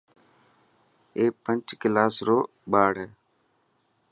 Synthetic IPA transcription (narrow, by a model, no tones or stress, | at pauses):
eːpənt͡ʃkɪlaːsɾoː | ɓaːɽ̤ɛː